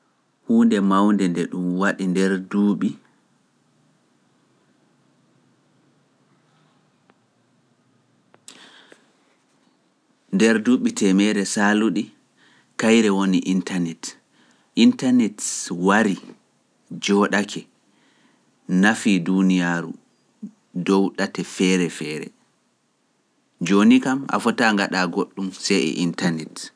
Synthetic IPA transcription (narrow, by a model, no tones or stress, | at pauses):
huːndɛmawndɛndɛɗumwaɗindɛɾduɓi | ndɛɾduːɓitʰɛmɛɾɛsaluɗi | kajɾɛwoniʔintanɛt | ʔintanɛtwaɾi | d͡ʒɔɗakʰɛ | nafidunijaɾṵ | dɔwɗatɛfɛːɾɛfɛːɾɛ̰ | d͡ʒonikama̰fɔtaŋɡaɗaɡoɗːumsɛɛ̰ʔintanɛt